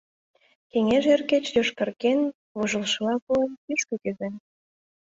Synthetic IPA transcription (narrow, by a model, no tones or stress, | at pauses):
keŋeʒerket͡ɕjoʃkɑrken | βuʒə̆lʃlɑpuenpyʃkɤ̆kyzen